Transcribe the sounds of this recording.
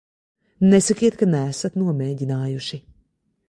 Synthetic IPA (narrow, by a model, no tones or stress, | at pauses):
nɛsʲɐkʲiɛt̪kɐnæsɐt̪nuɔmɛːɟʲinaːjuʃi